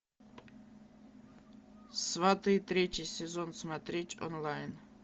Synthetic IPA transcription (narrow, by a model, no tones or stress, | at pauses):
svat̪ɨjt̪ɾʲet͡ʃʰisʲɛzonsmat̪ɾʲetʲʼo̰nlˠajn